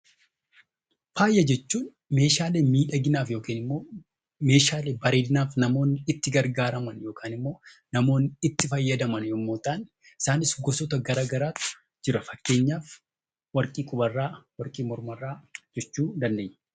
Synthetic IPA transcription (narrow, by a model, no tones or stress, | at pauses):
faːjːɐd͡ʒɛt͡ʃːuːn | me̞ːʃaːle̞ːmiːᶑɐɡɪnaːfjo̞ːkiːnɪmːo̞ː | me̞ːʃaːleːbɐɾeːd̪ɪnaːfnɐmo̞ːnːɪt̪ːɪɡɐɾɡaːɾɐmɐnjo̞ːkʰaːnɪmːo̞ːnɐmo̞ːnːɪɪt̪ːɪfɐjːɐd̪ɐmɐnjoːmːoːt̪aːn | ɪ̥saːnɪsɡɔsɔt̪ɐɡɐɾaːɡɐɾaːt̪ʊ̥ | d͡ʒɪɾɐfɐkːe̞ːɲːaːf | wɐɾkʼiːkʼʊbɐrːaːwɐɾkʼiːmɔɾmɐrːaːd͡ʒɛt͡ʃːuːd̪ɐnd̪e̞ːɲː